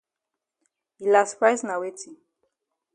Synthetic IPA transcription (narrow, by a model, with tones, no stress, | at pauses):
i˨la˨spɹa˦jzna˨we˦ti˨